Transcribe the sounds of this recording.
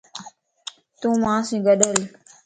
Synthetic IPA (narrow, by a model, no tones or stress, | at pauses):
t̪ũmãːsĩɡəɗəl